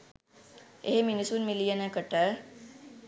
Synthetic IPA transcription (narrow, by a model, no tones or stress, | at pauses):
ḛɦeminisunmilijanəkəʈə